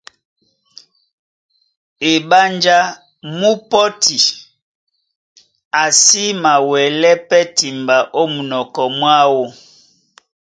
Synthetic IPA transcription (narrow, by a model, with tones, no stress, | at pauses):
e˨ba˦nd͡ʒa˦ | mu˦pɔ˦tʰi˨ | a˨si˦ma˨wɛ˨lɛ˦pɛ˦ti˨mba˨ʔo˦mu˨nɔ˨kɔ˨mwa˦wo˦